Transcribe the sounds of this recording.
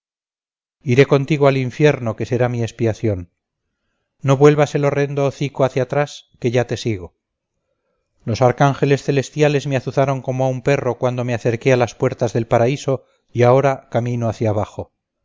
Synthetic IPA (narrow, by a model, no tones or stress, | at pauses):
iɾe̞ko̞nt̪iɣ̞oaliɱfje̞ɾno̞ke̞se̞ɾamie̞spiaθjo̞n | o̞βwe̞lβase̞lo̞re̞nd̪oːθikoaθjat̪ɾaske̞ʝat̪e̞siɣo̞ | lo̞saɾkaŋxe̞le̞sθe̞le̞st̪jale̞zmeaθuθaɾo̞ŋko̞moaumpe̞ro̞kwand̪omeaθe̞ɾke̞alaspwe̞ɾt̪azðe̞lpaɾaiso̞ | iao̞ɾakamĩnoaθjaβaχo̞